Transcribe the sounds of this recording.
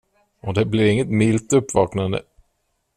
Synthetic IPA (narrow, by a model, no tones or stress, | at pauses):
ɔd̪ɛblɪɾɪŋːət̪mɪlt̪ɵpːvɑːknand̪ə̰